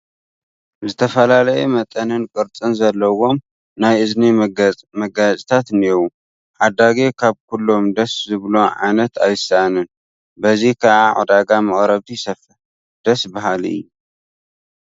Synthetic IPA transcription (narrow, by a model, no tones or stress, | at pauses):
zɨt̪ʰɐfɐlalɐjemɐt̪ʼɐnɨnkʼɨɾt͡sʼɨnzɐlːɐwo̞m | najʔɨzniɡmɐɡat͡sʼit̪ʰat̪newu | ħad̪aɡekʰaβkʰulːo̞md̪ɐszɨβloʕa̰jnɐt̪ʰajsɐʔanɨn | bɐzikʰaʕaʕo̰d̪aɡamɐχʼɾɐβt̪ʰisɐfɨ | d̪̥ɐsbaɦalɨ̰jːu